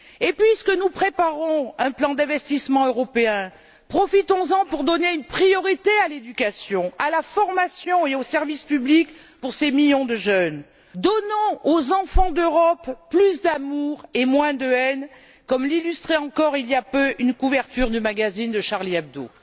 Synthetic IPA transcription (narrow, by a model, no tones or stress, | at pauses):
epɥiskənupχepaʁɔ̃ɛ̃plɑ̃d̪ɛ̃vɛst̪ismɑ̃øʁɔpeɛ̃ | pχɔfit̪ɔ̃zɑ̃puʁd̪ɔneynpχijɔʁit̪ealed̪ykasjɔ̃alafɔʁmasjɔ̃eosɛʁvispyblik | puʁsemiljɔ̃d̪əʒœn | d̪ɔnɔ̃ozɑ̃fɑ̃d̪øʁɔpːlys̬d̪amuʁemwɛ̃d̪əɛn | kɔmlilyst̪χeɑ̃kɔʁilijapøʔynkuvɛʁt̪yʁd̪ymaɡazind̪əʃaʁliɛb̚d̪o̰